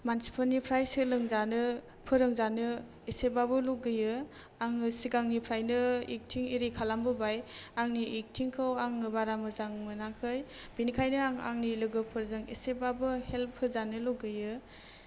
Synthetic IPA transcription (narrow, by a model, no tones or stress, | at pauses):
mansi̥pʰɯnipʰɾajsɯlɯŋzanɯ | pʰɯɾɯŋzanɯ | esebabɯluɡɯjɯ | aŋɯsiɡaŋnipʰɾajnɯḭk̚tʰiŋiɾikʰalambɯbajaŋniʔik̚tʰiŋkʰɯwaŋːɯbaɾamɯzaŋmɯnakʰɯjbinikʰajnɯaŋa̰ŋnilɯɡɯpʰɯɾzɯŋesebabɯhel̚pʰːɯzanɯloɡɯjɯ